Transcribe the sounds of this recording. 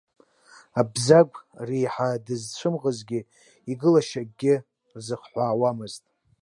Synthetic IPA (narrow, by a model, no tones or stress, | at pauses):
abzaɡʷʼrijħadɨzt͡ʃʷʰɨmʁəzɡʲɪ | iɡɨlaʃaɡ̚ʲːɪ | rzɨχħʷaːwamɨztʼ